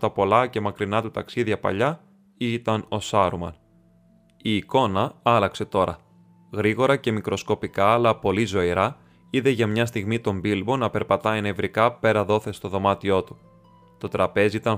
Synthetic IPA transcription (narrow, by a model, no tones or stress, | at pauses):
t̪ɐpo̞lɐce̞mɐkɾinɐt̪ut̪ɐksiðʝɐpɐ̰ʎɐ | it̪ɐno̞sɐɾumɐ̰n | iːko̞nɐɐlɐkse̞t̪o̞ɾɐ | ɣɾiɣo̞ɾɐce̞mikɾo̞sko̞pikɐːlɐpo̞lizo̞iɾɐ | iðe̞ʝɐmɲɐs̬t̪iɣmit̪o̞mbilbo̞nɐpe̞ɾpɐt̪ɐene̞vɾikɐpe̞ɾɐðo̞θe̞st̪o̞ðo̞mɐt̪io̞t̪u̥ | t̪o̞t̪ɾɐpe̞ziit̪ɐn